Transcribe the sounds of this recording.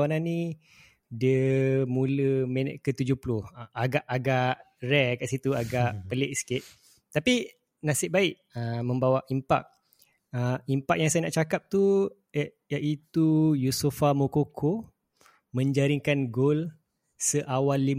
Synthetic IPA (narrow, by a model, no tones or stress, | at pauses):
anãnĩ | dəmũləmɛnət̪̚kət̪ud͡ʒʊhpulʊhaɡaʔaɡaʔ | rɛkaʔsit̪uaɡaʔpəleʔsi̥kɪt̪̚ | t̪ːapi | nasɪʔ̚baɪʔ | əmə̃mbawaʔimpa̰k̚ | əimpak̚jaŋsajanaʔt͡ʃakap̚t̪u | jaʔit̪ujusufamokokʰo | mə̃ɲd͡ʒaɾiŋkanɡol | səʔawalːi